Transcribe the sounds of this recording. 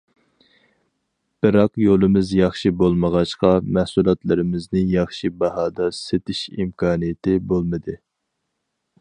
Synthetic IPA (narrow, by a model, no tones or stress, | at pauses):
b̥ɪɾɑqjolˠɨmɪzjɑχʃibolˠməʁɑʃqɑmɛhsulˠɑt̪lˠɨɾɪmɪznɪjɑχʃibɑɦɑːd̪ɑset̪ɪʃimkʰɑːnijet̪ɪbolˠmɨd̪ɨ